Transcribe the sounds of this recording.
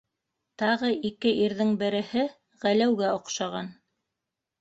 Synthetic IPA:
t̪ɑʁɤʔikɘʔiɾðɘŋbɘ̆ɾɘ̆hɘ | ʁælæwɡæŏqʃɑʁɑ̰n

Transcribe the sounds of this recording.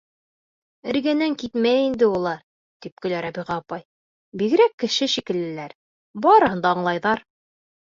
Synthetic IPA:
ɘ̆ɾɡænæŋkit̪mæjind̪ɘulˠɑɾ | t̪ip̚kɵ̆læɾɑbiʁɑːpɑj | biɡɘ̆ɾækːɘ̆ʃɘʃikɘ̆lɘ̆læɾ | bɑɾɤ̆hɤ̆nd̪ɑːɴlˠɑjðɑɾ

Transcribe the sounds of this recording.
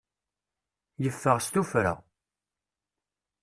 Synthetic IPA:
jəfːəʁst̪ufɾə̰ʁ

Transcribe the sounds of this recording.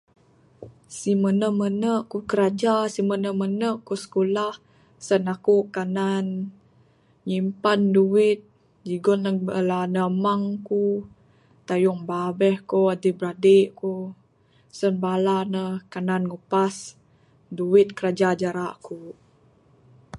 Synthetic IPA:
simənəmənəʔkukəɾad͡ʒasimənəmənəʔkusə̥kolah | sənakuʔkanan | ɲimpanduwɪt̪̚ | d͡ʒiɡɔnəlanəmaŋku | t̪ajuŋbabɛhkoadibəɾadeʔku | sənbalanəhkananŋupas | duwɪt̪̚kəɾad͡ʒad͡ʒaɾaʔku

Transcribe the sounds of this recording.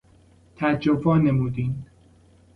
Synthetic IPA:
t̪ʰæd͡ʒovɒːnemuːd̪iːn

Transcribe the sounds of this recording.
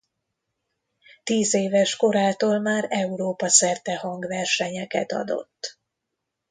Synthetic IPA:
t̪iːzeːvɛʃko̞ɾaːt̪oːlmaːɾɛuɾoːpɒsɛrt̪ɛhɒŋɡvɛrʃɛɲɛkɛt̪ɒ̰d̪o̞̰t̪ː

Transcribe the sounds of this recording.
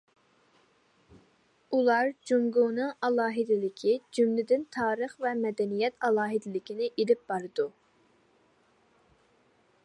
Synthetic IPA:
ulˠɑɾd͡ʒuŋɡonɨŋɑlˠɑːɦɪd̪ɪlɪkʲʰid͡ʒymlɪd̪ɪnt̪ʰɑːɾəχvɛmɛd̪ɛnijɛt̪ʰɑlˠɑːɦɪd̪ɪlɪkʲinɪʔelɪp̚b̥ɑɾɨd̪u

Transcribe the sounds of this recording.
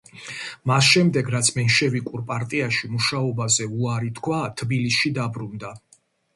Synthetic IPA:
masʃɛmd̪ɛɡɾat̪sʰmɛnʃɛvikʼuɾpʼaɾt̪ʼiaʃimuʃaɔbazɛuaɾit̪ʰkʰwat̪ʰbilisʃid̪abɾund̪a

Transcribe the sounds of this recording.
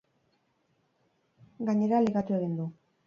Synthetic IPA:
ɡaɲe̞ɾaliɣat̪ue̞ɣ̞ind̪u

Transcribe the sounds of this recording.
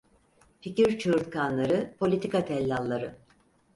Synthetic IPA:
ficiɾt͡ʃʰɯːɾt̪kʰanlˠaɾɯpʰo̞lʲit̪ʰikat̪ʰɛlʲːalˠːaɾɯ

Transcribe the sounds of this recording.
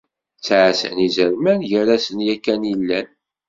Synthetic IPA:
t͡sːʕsə̰nizəɾmænʝəɾæsənjækːænjilːæn

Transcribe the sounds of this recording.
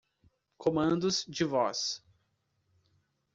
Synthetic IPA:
kʰomɐ̃nd̪ʊzd͡ʒɪvɔs

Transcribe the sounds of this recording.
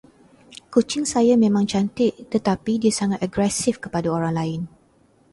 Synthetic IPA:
kut͡ʃɪŋsajamẽmãŋt͡ʃant̪ɪʔt̪ət̪apidiasaŋat̪̚aɡɾɛsɪfkə̥padaoɾaŋlaɪn

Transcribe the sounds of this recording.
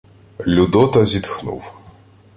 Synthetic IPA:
lʲud̪ɔt̪ɐzʲit̪xnṵw

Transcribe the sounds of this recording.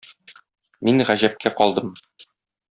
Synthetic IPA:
minʁæʑæp̚kʰæqɒlˠd̪ɤm

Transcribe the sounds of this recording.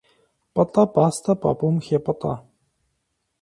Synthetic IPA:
pɔt̪ʼɔpast̪ʰapa̰pumxʲepɔt̪ʼɔ̰

